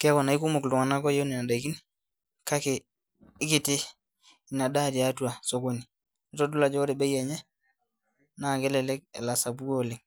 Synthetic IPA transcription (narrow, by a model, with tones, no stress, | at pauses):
kɛ˦kɔ˨na˨i˦ku˦mu˨klu˨ŋa˨na˦kɔ˦jo˦ni˨na˨da˨i˨ki˦n | ka˦keː˨˦ | ki˨tɪ˦ | i˨na˨da˦˨di˨a˦tu˦a˨so˦ko˨ni˨ | ɔ˨tɔ˦du˦la˨d͡ʒɔ˦ɔ˦ɾɛ˨bɛ˦jɛ˨ɲɛ˦ | na˨ɡɛ˦lɛ˨lɛ˦k̚ɛ̰˨la˨sa˨bu˦ɡo˦˨le˨ŋ